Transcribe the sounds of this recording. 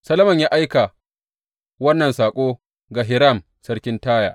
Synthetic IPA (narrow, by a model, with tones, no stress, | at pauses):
sɐ˦lɐ˦mɐ˨ɲjaː˦ʔa˦jka˨ | wɐ˦nːɐ˨nsaː˨kʷʼoː˦ | ɡa˨ɦɪ˨ɾɐ˦˨m | sɐ˦ɽkʲɪ˦ntaː˦ja̰ː˨ʔ